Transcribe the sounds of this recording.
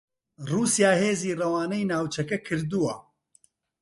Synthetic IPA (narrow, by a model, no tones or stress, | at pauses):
ruːsijaːheːziːrɐwaːnɐjnaːwt͡ʃʰɐkɐkʰɨɾd̪uwɐ